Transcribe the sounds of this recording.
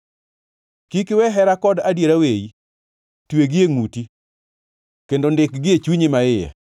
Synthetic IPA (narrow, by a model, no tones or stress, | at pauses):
kikɪwɛɦɛɾakɔdadjeɾaweji | tweɡɪeŋuti | kendondɪkɡɪet͡ʃuɲɪmaɪja̰